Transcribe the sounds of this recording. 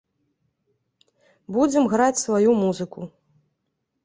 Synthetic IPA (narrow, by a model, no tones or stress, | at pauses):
bud͡zʲɛmɣɾat͡sʲsvajumuzɨku